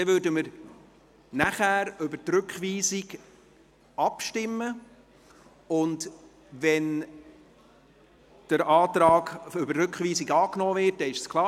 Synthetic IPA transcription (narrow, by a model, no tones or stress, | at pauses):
d̥ɛvøɾdəməɾ | næχæːɾʏbətrɵkχʋiːziɡ | ɑpʃtɪmːə | ʊnd | vɛn | d̥əɾɑːtɾɑːɡʏbəɾʏkχviːsiɡɑːknɔːvɪt̚dɛɪʃskʰlˠɑː